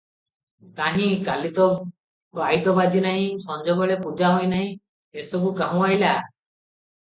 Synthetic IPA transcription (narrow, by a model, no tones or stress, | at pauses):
t̪aɦĩkalit̪ɔ | ajt̪ɔbad͡ʒinaɦĩsɔnd͡ʒɔɡɔɭepud͡ʒaɦojnaɦĩ | esobukaɦũajla